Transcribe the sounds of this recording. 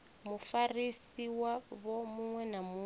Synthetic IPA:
mufarisiwaβɔmuŋwɛnamu

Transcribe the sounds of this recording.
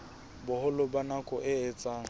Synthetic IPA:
bʊhʊlʊbanakʼɔʔɪɛt͡sʼaːŋ̩

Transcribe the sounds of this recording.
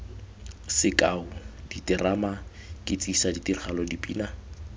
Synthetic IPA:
sɪkʼaʊd̥itɪramakʼɪt͡sʼisaditirχalɔdipʼḭːna

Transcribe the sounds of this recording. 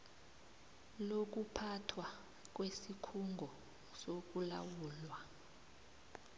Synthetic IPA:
lok̬ʼupʰatʰwa | k̬ʼwesikʰuŋɡʱɔ | sok̬ʼula̰wuːlwa

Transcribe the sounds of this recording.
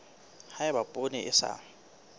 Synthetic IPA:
haɪbapʼonɛʔɪsa̰

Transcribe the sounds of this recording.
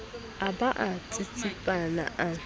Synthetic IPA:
abaʔatʰʼitʰipʼana̰ʔa

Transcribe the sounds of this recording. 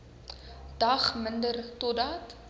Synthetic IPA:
d̥ɐχməndərtɔdɑt

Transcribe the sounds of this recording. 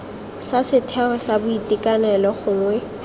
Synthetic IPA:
sasɪtʰɛχɔsabʊitʼikʼanɛlɔχʊːŋwɛ

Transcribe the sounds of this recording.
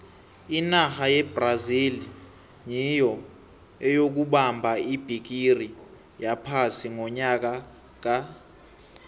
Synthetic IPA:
inaxajɛb̥razili | jijɔ | ɛjok̬uɓambʱaib̥ʱik̬iri | japʰasiŋɔɲak̬a | k̬a

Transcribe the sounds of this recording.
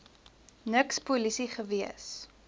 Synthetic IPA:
nəkspulisiχəviəs

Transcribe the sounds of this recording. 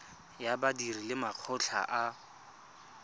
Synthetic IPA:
jabadirilɪmaq͡χʰɔɬʰa̰ʔa

